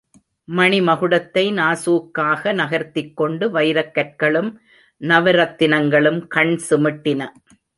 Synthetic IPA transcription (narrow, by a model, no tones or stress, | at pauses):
mɐɳɪmɐɣɯɽɐt̪ːɐɪnaːsuːkːaːɣɐnɐɣɐɾt̪ːɪkːɔɳɖɯʋɐjɾɐkːɐɾ̚kɐɭɯm | nɐʋɐɾɐt̪ːɪnɐŋɡɐɭɯmkɐɳsɪmɪʈːɪnɐ